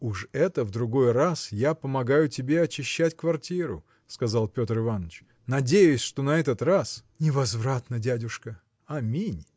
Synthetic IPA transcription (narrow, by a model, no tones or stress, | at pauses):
ʊʂɛt̪əvd̪ɾʊɡo̞jrasjapəmɐɡajʊtʲɪbʲe̞ɐt͡ɕɪɕːætʲkvɐrtʲiɾʊ̰ | skɐzalˠpʲo̞t̪rɨvanət͡ɕ | nɐdʲejʊsʲʂt̪o̞nɐɛt̪ət̪rasnʲɪvɐzvɾat̪nədʲædʲʊʂkə | ɐmʲinʲ